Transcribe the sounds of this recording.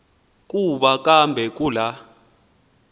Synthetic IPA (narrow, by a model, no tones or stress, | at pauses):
k̬ʼuɓakʼambʱɛk̬ʼula